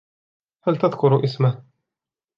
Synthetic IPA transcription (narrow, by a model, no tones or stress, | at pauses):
halt̪aðkʊɾʔɪsma